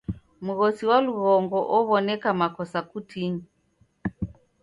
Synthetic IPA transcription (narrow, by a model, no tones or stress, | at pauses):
muɣɔsiwaluɣɔŋɡɔʔɔβɔnɛkamakɔsakutʰiɲi